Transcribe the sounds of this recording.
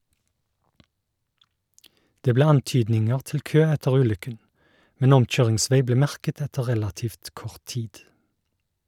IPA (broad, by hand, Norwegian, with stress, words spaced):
ˈdeː ˈbleː ˈɑnˌtyːdnɪŋəʁ ˈtɪl ˈkøː ˈɛtəʁ ˈʉːˌlʏkən ˈmɛn ˈɔmˌc͡çøːʁɪŋˌsʋeɪ ˈbleː ˈmæʁkət ˈɛtə ˈʁɛlɑtiːft ˈkɔʁt ˈtiːd